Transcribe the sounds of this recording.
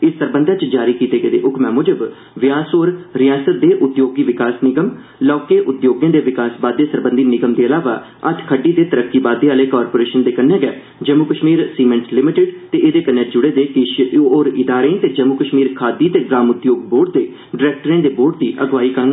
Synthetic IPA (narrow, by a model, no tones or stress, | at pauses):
ɪsːəɾbə̃nd̪aːt͡ʃd͡ʒaːɾiːkiːt̪eːɡəːd̪ḛːʔʊkmɛ̃ːmʊd͡ʒəb | ʋɪjaːsoːɾɾɪjaːsət̪̚d̪eːʔʊt̪joːɡiːʋɪkaːsnɪɡəm | lɔːkeːʔʊt̪joːɡjãːd̪eːʋɪkaːsbaːd̪ːeːsəɾbə̃nd̪iːnɪɡəmd̪eːəlaːʋa̰ː | ə̰t̪ʰkʰəɖiːd̪eːt̪əɾəkːiːbaːd̪eːaːleːkaːɾpoːɾeːʃənd̪eːkənːɛ̃ːɡɛː | d͡ʒəmukəʃmiːɾsiːmɛ̃ɳʈlɪmɪʈɪɖt̪eːʔed̪eːkənːɛːd͡ʒʊɽeːd̪eːkɪoːɾɪd̪aːɾẽːt̪eːd͡ʒəmukəʃmiːɾkʰaːd̪iːt̪eːɡɾaːmʊt̪joːɡ̚boːɾɖ̚d̪eː | ɖɪɾɛːk̚ʈəɾẽːd̪eːboːɖt̪iːʔəɡʋaːiːkəɾəŋ